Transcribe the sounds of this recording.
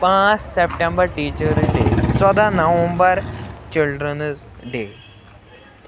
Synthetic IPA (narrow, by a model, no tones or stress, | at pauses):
pãːt͡ʃsepʈẽmbəɾʈiːt͡ʃəɾɖeːt͡ʃɔd̪anəʋə̃mbəɾt͡ʃɪlɖɾənzɖeː